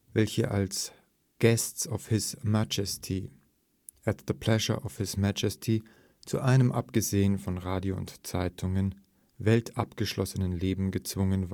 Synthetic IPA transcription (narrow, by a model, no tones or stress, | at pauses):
vɛlçə̰ʔa̰ls | ɡ̥ɛstsɔfhɪsmad͡ʒəstʰi | ʔætðəpʰl̥ɛʒə̰˞ʔɔfhɪsmæd͡ʒəstʰi | t͡sṵʔaɪnəmʔa̰pɡ̥əzeːənfɔnʁaːdjoʊ̰ntt͡saɪtʰʊŋən | vɛltʰa̰pɡ̥əʃlʔɔsənənleːbm̩ɡət͡sv̥ʊŋənva